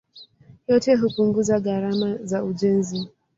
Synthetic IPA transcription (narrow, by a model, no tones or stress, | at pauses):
jɔtɛɦupuŋɡuzaɣaɾamazauʄɛnzi